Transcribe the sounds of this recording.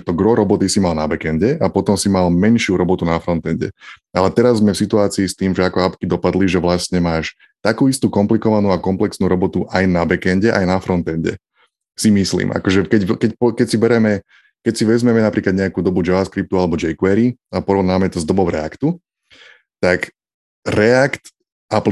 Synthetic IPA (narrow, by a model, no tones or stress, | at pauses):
t̪ɔɡɾɔɾɔbɔt̪isimalnabɛkɛnɟɛʔapɔt̪ɔmsimalmɛnʃɪuɾɔbɔt̪unafɾɔnt̪ɛnɟɛ̰alɛt̪ɛɾazzmɛfsit̪uaːt͡siːst̪iːmʒɛakɔapkid̪ɔpad̪liʒɛʋlastɲɛmaːʃ | t̪akuːist̪uːkɔmplikɔʋanuːakɔmplɛksnuːɾɔbɔt̪uʔajnabɛkɛnɟɛʔa̰jnafɾɔnt̪ɛnɟɛ̰ | simislḭːmʔa̰kɔʒɛkɛckɛcpɔkɛcsibɛɾɛmɛ | kɛcsiʋɛzmɛmɛnapɾiːklad̪ɲɛakuːd̪ɔbud͡ʒɛʋaskɾip̚t̪ualɛbɔd͡ʒɛjkwɛɾiapɔɾɔʋnaːmɛt̪ɔzd̪ɔbɔʊɾɛakt̪u | t̪ak | ɾɛakt̪ | ap